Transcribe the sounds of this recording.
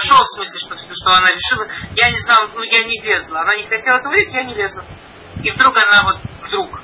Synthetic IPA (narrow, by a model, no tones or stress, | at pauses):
ʂofsmɨsʲlʲɪʂt̪oʂt̪oɐnaɾʲɪʂɨlˠəjanʲɪznalˠnujanʲɪlʲezlˠəɐnanʲɪxɐtʲelˠɛt̪əʊvʲidʲɪtʲjanʲɪlʲezlˠə | ivd̪ɾukɐnavo̞t̪̚vd̪ɾuk